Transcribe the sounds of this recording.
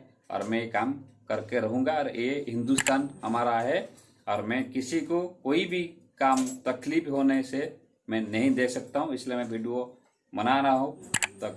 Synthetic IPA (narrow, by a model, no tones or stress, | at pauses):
ɔ̰ːɾmɛ̃jekaːmkɐɾkeɾɐɦũːŋɡaɔːɾjeɦɪ̃nd̪ust̪aːnɦɐmaːɾaɦɛ | ɔːɾmɛ̃ːkɪsikokoːibʱi | kaːmt̪ɐkliːpɦoːnese | mɛ̃nɐɦĩd̪eːksɐk̚t̪aɦũɪsliemɛ̃ʋʱiːɖio | mɐnaɾəɦõt̪o